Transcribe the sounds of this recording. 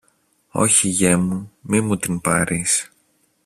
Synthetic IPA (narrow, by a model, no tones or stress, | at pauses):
o̞̰çiʝemumimut̪inpɐɾis